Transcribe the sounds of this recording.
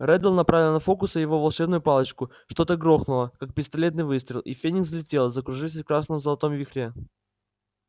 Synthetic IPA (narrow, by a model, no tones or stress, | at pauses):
ɾɛd̪əlʲˠnɐpɾavʲɪlˠnɐfo̞kʊsəjɪvo̞vɐlˠʂɛbnʊjʊpalˠət͡ɕkʊ | ʂt̪o̞t̪əɡɾo̞xnʊlˠəkak̚pʲɪst̪ɐlʲe̞t̪nɨjvɨst̪ɾʲɪlˠʔḭfʲenʲɪkzəlʲɪtʲe̞lˠzəkɾʊʐɨfs̬ʲəfkɾasnɨmzəlˠɐt̪o̞mvʲɪxɾʲe